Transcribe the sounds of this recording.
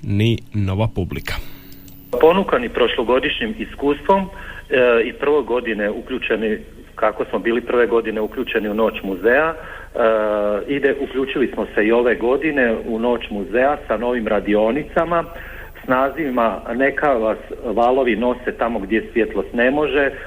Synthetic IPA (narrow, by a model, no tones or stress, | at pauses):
nino̞ʋapublikʰḁ | po̞nukanipɾo̞ʃlˠo̞ɡo̞d̪iʃɲimiskuːst̪ʋo̞m | ipr̩ʋo̞jɡo̞d̪ine̞ukʎuːt͡ʃe̞ni | kako̞smo̞biːlipr̩ʋe̞ɡo̞d̪ine̞ukʎuːt͡ʃe̞niuno̞ːt͡ʃmuzea | id̪eʔuklʎuːt͡ʃilismo̞se̞io̞ʋe̞ɡo̞d̪ine̞uno̞ːt͡ʃmuze̞asano̞ʋimɾad̪io̞nit̪sama | snaːzimane̞kaʋasʋaːlo̞ʋino̞se̞t̪amo̞ɡd̪je̞sʋjet̪lˠost̪ne̞mo̞ʒe̞